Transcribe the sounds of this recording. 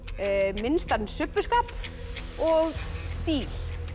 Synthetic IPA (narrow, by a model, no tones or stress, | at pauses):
mɪnst̪aɾnsʏpːʏskaːp | ɔɣst̪iːl